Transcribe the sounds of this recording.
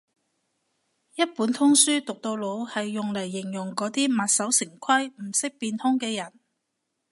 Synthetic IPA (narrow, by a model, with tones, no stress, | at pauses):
jɐ˥t̚puː˨˥nt̪ʰʊ˥ŋsyː˥t̪ʊ˨k̚t̪o˧wlo˨˧whɐ˨jːʊ˨ŋlɐ˨˩jːɪ˨˩ŋjʊ˨˩ŋkɔː˨˥t̪iː˥mɐ˨t̚sɐ˨˥wsɪ˨˩ŋkʷʰɐ˥jm̩˨˩sɪ˥k̚piː˧nt̪ʰʊ˥ŋkɛː˧jɐ˨˩n